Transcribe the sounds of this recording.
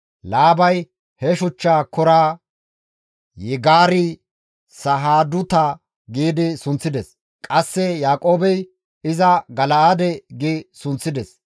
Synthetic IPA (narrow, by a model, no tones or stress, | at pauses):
laːbɐj | hɛʃʊt͡ʃːaːkɔɾaː | jɛɡaːɾɪ | sɐɦaːd̪ʊt̪ɐ | ɡiːd̪ɪsʊnt͡sːɪd̪ɛs | kʼɐsːɛjaːkʼo̞ːbɛj | ɪzɐɡɐlɐad̪ɛɡɪsʊnt͡sːɪd̪ɛs